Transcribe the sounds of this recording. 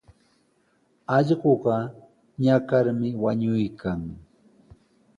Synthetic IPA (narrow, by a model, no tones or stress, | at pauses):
ɑʎɢoɢɑ | ɲakaɾmɪwaɲʊjkʰaŋ